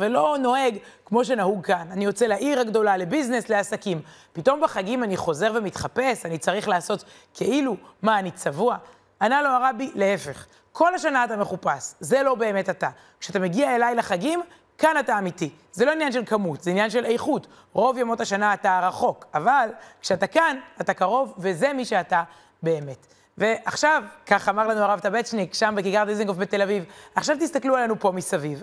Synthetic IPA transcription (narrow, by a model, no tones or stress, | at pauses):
velo̞no̞eɡ | kmo̞ʃ̬e̞nahuɡ̚kananijo̞t͡selaʔiʁhaɡdo̞lale̞biznesle̞asakim | pito̞mbeχaɡimaniχo̞ze̞ʁvemit̪χape̞sanit͡saʁiχlaːso̞t | kʰeʔilumaːnit͡savua | analo̞aʁabile̞e̞fe̞χ | kʰo̞lhaʃanaːtame̞χupasze̞lo̞be̞ːme̞tata | kʃeatame̞ɡiae̞lajlaχaɡim | kanataːmiti | zelo̞injanʃelkamutzeinjanʃe̞lejχut | ʁo̞vjamo̞thaʃanaːtaʁaχo̞kavalkʃeatakanatakaʁo̞vve̞ze̞miʃe̞ata | be̞ːme̞t | ve̞ʔaχʃavkaχamaʁlanuaʁavt̪abett͡ʃnikʃambekiɡaʁd̪iziŋɡofbete̞lavivaχʃavt̪ist̪aklualanupo̞misaviv